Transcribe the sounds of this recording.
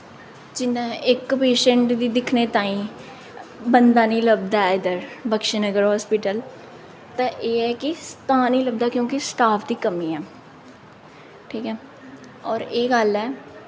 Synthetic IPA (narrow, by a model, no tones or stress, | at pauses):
d͡ʒɪnãːɪkpeːʃə̃ɳʈd̪iːd̪ɪkʰneːt̪ãːĩː | bənd̪aːnĩːləb̚d̪aːɪd̪əɾbəkʃenəɡəɾɦɔːspɪʈəl | t̪ãːʔeːɛːkɪst̪aːnĩːləb̚d̪aːkjõːkɪsʈaːpʰd̪iːkəmiːɛː | ʈʰiːkɛː | ɔːɾeːɡəlɛː